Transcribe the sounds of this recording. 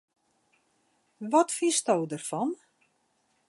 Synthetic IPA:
ʋɔtfistɔwdərfɔn

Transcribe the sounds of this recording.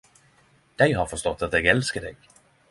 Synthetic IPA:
d̪̥ɛɪɦɑɾfœʂst̪ɔt̪ːat̪̚d̪ɛɡɛlskəd̪ɛ̰ɡ̥

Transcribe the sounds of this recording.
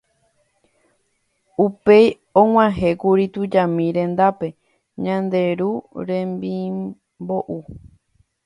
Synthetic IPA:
upe̞j | õŋ̃ãɦe̞kuɾit̪ud͡ʒamĩɾẽ̞nd̪ape̞ | ɲãnd̪e̞ɾuɾẽ̞mbi | bo̞ʔu

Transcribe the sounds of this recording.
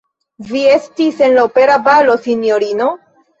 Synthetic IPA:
vie̞stise̞nlaope̞ɾabalo̞sinjo̞ɾino̞

